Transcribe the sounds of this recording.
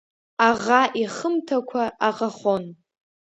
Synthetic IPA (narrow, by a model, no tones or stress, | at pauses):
aʁaʔiχəmtʰakʷʰaʔaʁaχon